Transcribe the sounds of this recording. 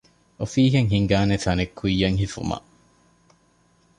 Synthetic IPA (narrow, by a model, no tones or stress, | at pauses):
ʔofiːɦeŋɦiŋɡaːnefɐnekʰːujːɐŋɦifṵmɐ̰